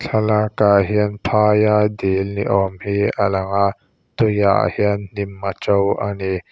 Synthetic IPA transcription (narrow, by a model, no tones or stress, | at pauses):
ɬʰalakaɦiənpʰaːjadilnḭʔɔmhiʔa̰lɐŋaʔ | t̪uja̰ʔhiənn̥imːat͡ʃɔwʔani